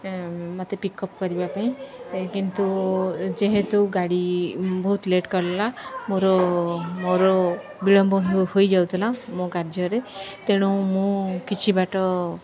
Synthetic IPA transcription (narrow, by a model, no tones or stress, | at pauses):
mot̪epikɔpkɔɾibapaĩkint̪ud͡ʒeɦet̪uwɡaɽibɔɦut̪leʈkɔɾlamoɾɔmoɾɔ | biɭɔmbʱɔɦewhojd͡ʒawt̪ʰilamõkaɾd͡ʒɔɾet̪eɽ̃umũkit͡ʃʰibaʈɔ